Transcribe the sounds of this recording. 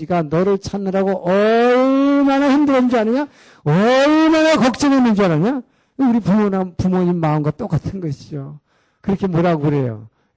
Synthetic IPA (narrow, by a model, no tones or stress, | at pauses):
iɡanʌɾɯɭt͡ɕʰanːɯɾaɡoʔʌɭmanaçimdɯɾʌnd͡ʑianɯɲa | ʌɭmanakʌk̚t͡ɕ͈ʌnenɯnd͡ʑianɯɲa | kuɾipumonanpumoɲimːaɯnɡwat͈ok͈atʰɯnɡʌɕʰid͡ʑo | kɯɾʌkʰe̞moɾaɡoɾe̞jo̰